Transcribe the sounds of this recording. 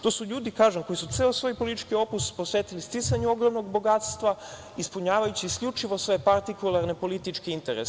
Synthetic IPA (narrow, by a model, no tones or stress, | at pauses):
t̪oːsuʎuːd̪ikaːʒemko̞jisut̪seːosʋo̞ːjpo̞lit̪t͡ʃkio̞puspo̞sʋeːt̪ilist̪isaɲuo̞ɡɾomnoɡbo̞ɡat̪st̪ʋa | ispuɲaːʋajut͡ɕiːskʎut͡ʃiʋo̞sʋoe̞epaɾt̪ikulˠaɾne̞po̞lit̪it͡ʃkeint̪eɾes